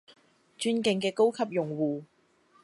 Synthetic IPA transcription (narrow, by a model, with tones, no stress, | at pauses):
t͡ʃyː˥nkɪ˧ŋkɛː˧ko˥wkʰɐ˨p̚jʊ˨ŋwuː˨